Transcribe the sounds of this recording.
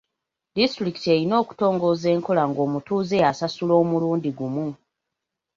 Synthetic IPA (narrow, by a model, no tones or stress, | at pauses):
distɾiki̥te̞ɾino̞ːku̥to̞ːŋɡo̞ːze̞ːŋko̞laŋɡo̞ːmutuːze̞jasasulo̞ːmuluːndiɡumu